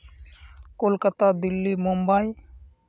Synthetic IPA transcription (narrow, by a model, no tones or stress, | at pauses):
kolkət̪aːd̪ɪlːimʊmbai